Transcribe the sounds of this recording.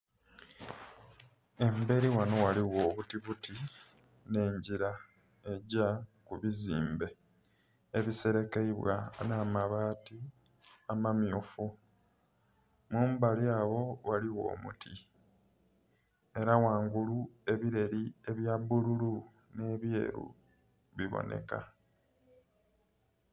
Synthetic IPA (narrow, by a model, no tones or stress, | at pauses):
e̞mbe̞ɾiwano̞waliwo̞ːβutiβuti | ne̞ːɲɟiɾa | e̞ɟakuβiziːmbe̞ | eβise̞ɾe̞keiβwa̰naːmaβaːti | amamjofu | muːmbaliaːβo̞waliwo̞̰ːmṵtʰi | e̞ɾawaːŋɡulue̞βiɾe̞ɾie̞βjabːululu | ne̞ːβje̞̰ːɾṵ | βiβo̰nʔe̞̰ka̰